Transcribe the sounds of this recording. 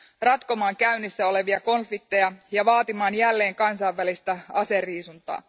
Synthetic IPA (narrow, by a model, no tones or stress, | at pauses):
rɑt̪ko̞mɑːŋkæynːisːæo̞le̞ʋiɑko̞nfik̚t̪ːe̞jɑjɑʋɑːt̪imɑːnjælːe̞ːŋkɑnsɑiʋːælist̪æɑse̞riːsunt̪ɑ̰ː